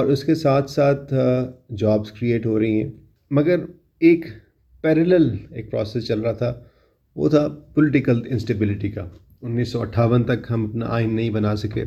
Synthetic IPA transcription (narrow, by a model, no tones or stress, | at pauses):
ɔːɾʊskesaːt̪ʰsaːt̪ʰd͡ʒaːbzkɾieːʈɦoːɾɐɦĩɦɛ̰̃ː | mɐɡəɾ | eːk | pɛːɾəlɛleːk̚pɾɔ̰ːsɛst͡ʃɐlɾaat̪ʰa | ʋo̰ːt̪ʰapʊlɪʈɪkəlɪ̃nsʈebɪlɪʈika̰ | ʊnːiːsːɔɐʈʰaːʋənt̪ɐkɦɐmɐpna̰ʔaːɪnːɐɦĩbɐnaːsɐkḛː